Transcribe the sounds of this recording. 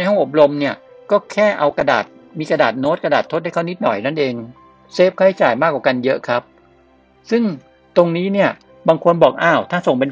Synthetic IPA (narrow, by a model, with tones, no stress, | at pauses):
na˧jɦɔ˥˩ʔo˨˩p̚ɾo˧mni˥˩ɐ | kɔː˥˩kʰɛː˥˩ʔa˧wka˧da̰ː˨˩t̪̚ | miː˧kɾa˧daː˨˩t̪̚noː˦˥ka˧daː˨˩t̪ʰːo˦˥da˥˩kʰa˥˩ni˦˥t̪̚nɔ˨˩jna˥˩nʔeː˧ŋ | seː˦˥˩p̚kʰa˥˩jt͡ɕaː˨˩jmaː˥˩k̚waː˨˩ka˧njɤ˦˥ʔkʰɾa˦˥p̚ | sɯ˥˩ŋ | t̪o˧ŋniː˦˥ni˥˩ɐ | baː˧ŋkʰo˧nbɔː˨˩k̚ʔaː˧˥˩wt̪ʰaː˥˩so˨˩ŋpe˧n